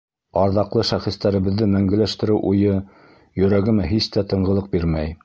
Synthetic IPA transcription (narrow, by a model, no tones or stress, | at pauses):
ɑɾðɑqlˠɤʃæχĭst̪æɾɘ̆βɘ̆ðːɘmæŋɡɘ̆læʃt̪ɘ̆ɾɘwʔujɤ | jɵ̆ɾæɡɘ̆mæɦist̪æt̪ɤ̆ɴɢɤ̆lˠɤq̚biɾmæj